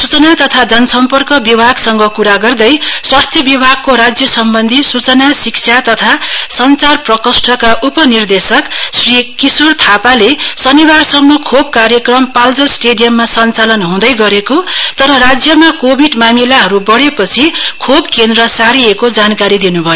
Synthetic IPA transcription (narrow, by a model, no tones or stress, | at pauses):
sut͡sʌnat̪ʌt̪ʰad͡zʌnʌsʌmpʌrkʌbibʱaɡsʌŋɡʌkuɾaɡʌrd̪ʌjswast̪ʰjʌbibʱaɡ̚koɾad͡zjʌsʌmbʌnd̪ʱisut͡sʌnasikt͡sʰjat̪ʌt̪ʰasʌnt͡sarprʌkʌsʈʰʌkaʔupʌnird̪esʌksrikisurt̪ʰapalesʌnibarsʌmnokʰobkarjʌkrʌmpald͡zʌsʈeɖijʌmːasʌnt͡salʌnɦũd̪ʌjɡʌɾekot̪ʌɾʌɾad͡zjʌmakobʱiɖmamilaɦʌɾubʌɽepʌt͡sʰikʰobkend̪ɾʌsaɾiekod͡zankaɾid̪inubʱʌjo